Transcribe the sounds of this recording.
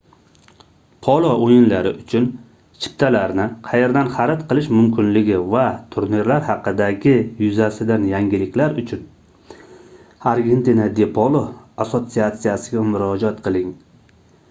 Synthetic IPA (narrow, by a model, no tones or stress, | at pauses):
pʰɒlˠɒojɪnlaɾɪʔʊt͡ʃʰʊn | t͡ʃʰɪ̥p̚t̪ʰalaɾnɪqʰɑjeɾd̪anχɑɾat̪qʰɨlˠɪʃmʊmkʲʰɪnlɪɡʲɪvat̪ʰʊɾniɾlaɾhɑqɨd̪aɡʲɪjʊzasɪd̪anjaŋɡʲɪlɪkʲlaɾʊt͡ʃʰʊn | aɾɡʲe̞nt̪inad̪epʰɒlˠoasot̪sijat̪sijasɪɡʲamʊɾɒd͡ʒat̪qʰɨlˠɪŋ